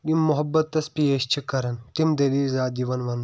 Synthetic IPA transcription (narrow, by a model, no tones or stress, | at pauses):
ɡimːʊɦɐbːɐt̪ːɐspieʃt͡ʃʰikɐɾɐnt̪imd̪ɐliːlzaːd̪iʋɐnʋɐn